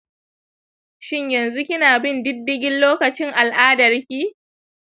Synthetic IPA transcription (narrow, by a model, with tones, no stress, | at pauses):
ʃɪ˦ɲjɐ˨nzu˦kʲɪ˦naː˨bɪ˦ndɪ˦dːɪ˦ɡʲɪ˦nloː˦kɐ˨t͡ʃɪ˦ŋʔa˨lʔaː˦dɐ˨rkʲiː˦